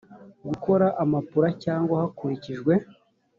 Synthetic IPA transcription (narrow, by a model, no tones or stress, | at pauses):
ɡuko̞ɾaʔamapuɾacaːŋɡwahakuɾiciʒɡwe̞